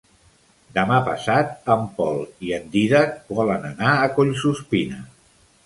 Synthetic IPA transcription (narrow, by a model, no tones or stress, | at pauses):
d̪əmapə̰sat̪̚əmpɔlˠiənd̪iðak̚bɔlənənaəkoʎsuspinə